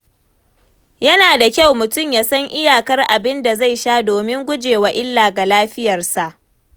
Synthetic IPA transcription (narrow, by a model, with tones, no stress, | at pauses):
jɐ˦naː˨da˨kʲa˦˨wmʊ˨tʊ˦˨mjaː˦sɐ˦ŋʔɪ˦jaː˨kɐ˦rʔa˨bɪ˦nda˨za˦˨jʃaː˦doː˨mɪ˦ŋɡʷʊ˦d͡ʒeː˨wa˨ʔɪ˦lːaː˨ɡa˨laː˦ɸɪ˦jɐ˨rsa˨ʔ